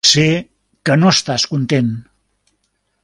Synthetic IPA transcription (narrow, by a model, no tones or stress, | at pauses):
se | kənoəst̪askunt̪en